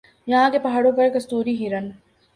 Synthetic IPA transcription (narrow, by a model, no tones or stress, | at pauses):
jɐɦãkepɐɦaːɽõpɐɾkɐst̪uːɾiɦiɾən